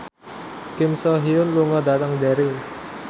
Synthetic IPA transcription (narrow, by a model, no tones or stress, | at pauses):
kɪmsɔɦiʊnluŋɔdat̪əŋdaɾi